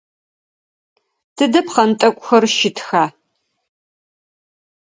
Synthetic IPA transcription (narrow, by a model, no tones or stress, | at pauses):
tʰɨdɐpqɐntʼɐkʷʼʊxɐrʃɪtʰxaː